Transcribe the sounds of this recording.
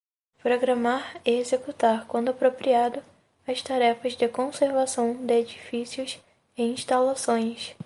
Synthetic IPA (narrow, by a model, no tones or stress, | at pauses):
pɾoɡɾɐmaɾeezekut̪aɾkwɐ̃nd̪ʊapɾopɾiad̪ʊ | ɐst̪aɾɛfɐzd̪ɪkõseɾvasɐ̃w̃d̪ɪed͡ʒifisiʊs | ẽĩʃt̪alasõj̃s